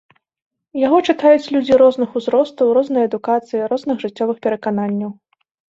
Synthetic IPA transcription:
jaɣɔt͡ʂɨt̪ajut͡sʲlʲud͡zʲiɾɔznɨxuzɾɔst̪ɐwrɔznɨjɐɛd̪ukat̪sɨjiɾɔznɨxʐɨt͡sʲːɔvɨxpʲɛɾɐkananʲːɐw

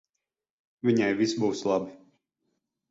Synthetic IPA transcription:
vʲiɲajvʲisbuːslˠabi

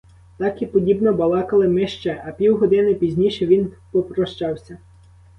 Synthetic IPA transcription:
t̪ɑkipɔdʲibnɔbɐlˠɑkɐlˠɪmɪʃt͡ʃɛʔɐpʲiwɦɔd̪ɪnɪpʲizʲnʲiʃɛʋʲinpɔpɾɔʃt͡ʃɑwsʲɐ

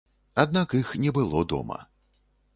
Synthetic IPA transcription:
ad̪nakixnʲɛbɨlˠɔd̪ɔ̰mɐ̰

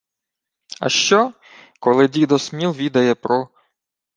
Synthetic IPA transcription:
ɐ̰ʃt͡ʃɔ | kɔlˠɪdʲid̪ɔsmʲilˠʋʲid̪ɐjɛpɾɔ

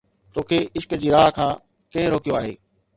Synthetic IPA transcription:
t̪oːkʰeːɪʃkd͡ʑiːɾaːɦkʰãː | kɐ̃ɦɪ̃ɾoːkijoaːɦeː

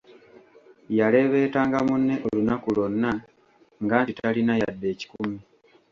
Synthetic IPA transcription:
jale̞βe̞ːtaːŋɡamunːe̞ʔolunakulo̞nːa | ŋɡaːtitalinajadːe̞ːci̥kumi

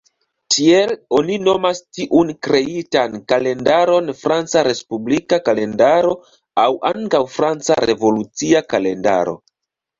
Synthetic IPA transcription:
tʰie̞lo̞nino̞mastiʔunkɾe̞itankale̞ndaɾo̞nfɾant͡saɾe̞spublikakale̞ndaɾo̞ | awaŋkawfɾant͡sa̰ɾe̞vo̞lut͡siakale̞nda̰ɾo̞̰

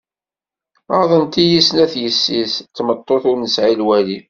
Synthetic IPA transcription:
ɑðˤənt̪ijisnæθjəsːist̪ːmət̪ˤːoθʊɾnəsʕilwæli

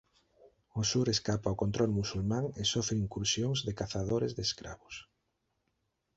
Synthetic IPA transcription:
ʊsuɾeskapaokont̪ɾɔlmusulmãŋesɔfɾeiŋkuɾsjoŋzðɪkaθaðoɾezðeskɾa̰βʊs

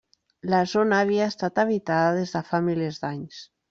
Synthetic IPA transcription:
lazonaːβiaest̪at̪aβ̞it̪aðaðezðafamilezd̪aɲs

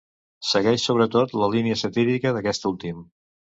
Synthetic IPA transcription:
səɣɛʃsoβ̞ɾət̪ot̪ləliniəsət̪iɾikəðəkɛst̪ulˠt̪im

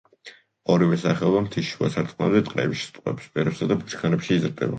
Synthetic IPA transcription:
ɔɾivɛsaχɛɔbamt̪ʰiʃuasaɾt̪sʼqʼna̰d̪ɛt̪ʼqʼɾɛ̰biʃst̪ʼwɛ̰pspɛɾɛpsad̪abut͡ʃʰkʰanɛpʃiːzɾd̪ɛ̰ba

